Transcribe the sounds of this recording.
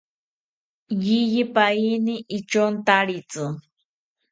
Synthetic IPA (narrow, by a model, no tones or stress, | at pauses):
jijipainiʔːt͡ʃont̪aɾit͡sɨ